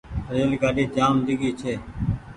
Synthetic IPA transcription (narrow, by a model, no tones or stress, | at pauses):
ɾeːlkaːɗiːd͡ʒaːmd̪ɪɡiːt͡ʃʰeː